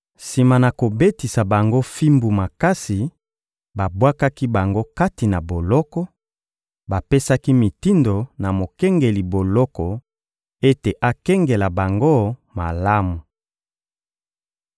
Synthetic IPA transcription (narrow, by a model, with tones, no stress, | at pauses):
si˨ma˨na˨ko˨be˦ti˨sa˨ba˨ŋɡo˦fi˦mbu˨ma˨ka˦si˨ | ba˨bwa˦ka˦ki˦ba˨ŋɡo˦ka˦ti˨na˨bo˨lɔ˦kɔ˦ | ba˨pe˦sa˦ki˦mi˨ti˦ndo˨na˨mo˨kɛ˦ŋɡe˨li˨bo˨lɔ˦kɔ˨ | e˦te˨ʔa˦kɛ˦ŋɡe˨la˨ba˨ŋɡo˦ma˨la˦mu˨